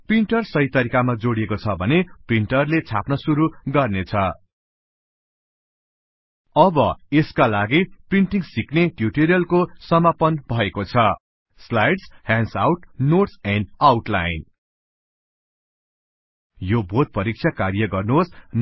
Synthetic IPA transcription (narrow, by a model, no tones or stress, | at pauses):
priɳʈʌrsʌjt̪ʌɾikamad͡zoɽiekot͡sʰʌbʱʌnepriɳʈʌrlet͡sʰapnʌsuɾuɡʌrnet͡sʰʌ | ʌbʌeskalaɡipriɳʈiŋsikneʈjuʈeɾijʌlkosʌmapʌnbʱʌekot͡sʰʌ | slajɖshansa̰wʈnoʈsanawʈla̰jn | jobod̪̚pʌɾik̚t͡ʃʰjakarjʌɡʌrnuɦosn